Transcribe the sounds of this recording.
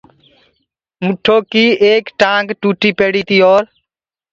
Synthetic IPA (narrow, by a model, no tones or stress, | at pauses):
mʊʈʰːoːkiːeːkʈãːŋɡʈuːʈiːpeːɽiːt̪iːɔːɾ